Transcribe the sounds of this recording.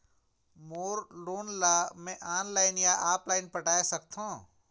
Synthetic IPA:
moːɾloːnlaːmẽʔaːnlaːɪnjaːʔaːplaːɪnpəʈaːesəkt̪ʰõː

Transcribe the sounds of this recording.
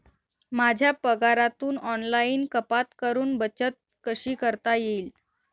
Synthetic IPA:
mad͡ʑʱjapəɡaɾat̪uːnɔnlainkəpat̪kəɾuːnbət͡ɕət̪̚kəɕiːkəɾt̪ajeiːl

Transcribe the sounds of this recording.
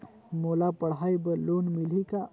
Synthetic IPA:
molapəɽajbəlonmilika

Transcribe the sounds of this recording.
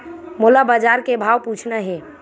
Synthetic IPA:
molabad͡ʒaɾkebʱawput͡ʃʰnaɦɛ̃

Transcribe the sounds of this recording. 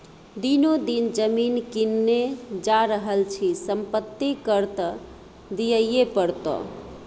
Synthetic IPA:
d̪inod̪ind͡ʒəminkinːed͡ʒaɾəɦəlt͡ʃʰisəmpət̪ːikəɾt̪ə | d̪ijəjepəɾt̪ɔ̰

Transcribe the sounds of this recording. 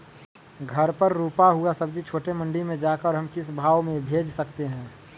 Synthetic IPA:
ɡʱɐɾpəɾːuːpaɦuasɐbd͡ʒʱit͡ʃʰoːʈemə̃ɳɖimẽd͡ʒaːkəɾɦɐmkɪsbʱaːʋmẽbʱeːd͡ʒsɐkt̪eɦɛ̃ː

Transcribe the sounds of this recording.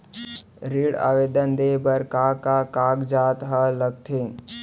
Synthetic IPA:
ɾiːɽa̰ːʋeːd̪ənd̪eːbəɾkaːkakaːɡd͡ʒaːt̪ɦaləɡ̚t̪ʰe

